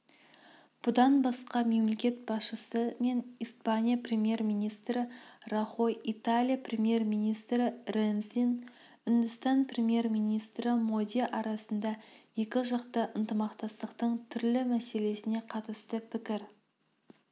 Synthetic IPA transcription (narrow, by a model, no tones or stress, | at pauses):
b̥ʊd̪ɑnbɑsqɑme̞mle̞kʲe̞t̪̚bɑsʃəsəme̞nispanʲijaprʲe̞mje̞rmijnijst̪ɾɪrɑχo̞jit̪alʲijaprʲemje̞rmijnijst̪ɾɪrensin | ʏnd̪ɪst̪ɑnprʲemje̞rmijnijst̪ɾɪmod̪iʔɑɾɑsənd̪ɑje̞kʲɪʒɑqt̪əʔənt̪əmɑqt̪ɑst̪əqt̪əɴt̪ʰʏɾlɪmæse̞le̞sɪne̞qʰɑt̪əst̪əpʰɪkʲɪɾ